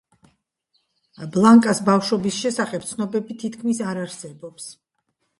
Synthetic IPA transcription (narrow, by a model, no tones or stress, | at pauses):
blˠaŋkʼasbafʃɔbisʃɛsaχɛp̚t̪sʰnɔbɛbit̪ʰit̪kʰmisaɾaɾsɛbɔps